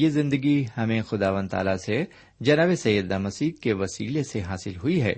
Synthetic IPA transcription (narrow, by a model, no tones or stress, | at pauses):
jeːzɪ̃nd̪əɡihɐmẽxʊd̪aːʋə̃nt̪a̰ːlase | d͡ʒɐnaːbesɐjəd̪aːmɐsiːd̪̚keʋɐsiːleseɦaːsɪlɦʊiɦɛ̰ː